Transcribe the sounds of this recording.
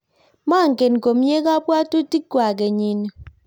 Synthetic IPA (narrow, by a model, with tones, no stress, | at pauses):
ma˦˨ŋ̩˨ke˨nŋ̩˨ko˨m̩˦ɲje˦ka˦bwa˦tu˦ti˦k̚kwa˨k̬e˨ɲi˨n˨